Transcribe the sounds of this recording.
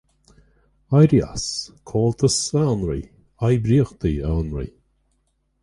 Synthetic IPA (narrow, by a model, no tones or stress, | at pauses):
ajɾia̰skʰɔːlt̪ʰəsɛwnɹḭ | ajbɾiːəxt̪iɛwnɹḭ